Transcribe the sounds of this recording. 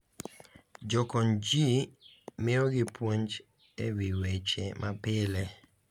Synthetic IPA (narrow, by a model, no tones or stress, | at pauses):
d͡ʒɔkɔnd͡ʒimɪɔɡɪpwoɲd͡ʒ | ewiwet͡ʃɛmʔapɪlɛ